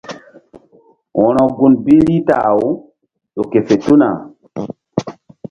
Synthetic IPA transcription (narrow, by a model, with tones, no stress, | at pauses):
wɔ̃˨nɔ˨ɡu˨nbi˦ɾi˦taː˨wu˦ | ɗo˨ke˨fe˨tu˦na̰˨